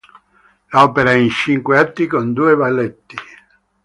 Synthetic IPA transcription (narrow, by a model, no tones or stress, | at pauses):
laɔːpeɾaɛint͡ʃiŋkweat̪ːikond̪uːevalːet̪ːi